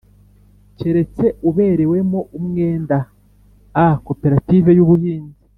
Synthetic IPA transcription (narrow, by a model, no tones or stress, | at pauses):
ce̞ɾe̞t͡se̞ʔuβe̞ɾe̞we̞moʔumŋe̞ːnda | ako̞pe̞ɾative̞juβuhiːnzi